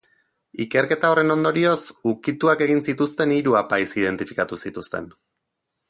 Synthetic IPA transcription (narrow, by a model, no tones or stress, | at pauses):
ike̞ɾke̞t̪ao̞re̞no̞nd̪o̞ɾio̞sukit̪uake̞ɣinsit̪ust̪e̞niɾuapajsið̞e̞nt̪ifi̥kat̪usit̪ust̪e̞̰n